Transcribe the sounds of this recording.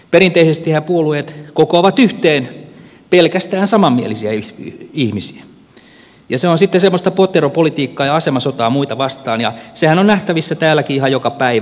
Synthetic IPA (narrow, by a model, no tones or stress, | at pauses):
perint̪eisest̪ihæpuoluet̪kokoɑʋɑt̪yht̪eːn | pelkæst̪æːnsɑmɑmːiḛlisiæyihmisi̥æ | jɑseonsit̪ːesemːost̪ɑpot̪ːeropolit̪iːkːɑːjɑɑsemɑsot̪ɑːmuit̪ɑʋɑst̪ɑːnjɑ̰sehænonnæht̪æʋisːæt̪æːlːˑækiihɑjokɑpæiʋæ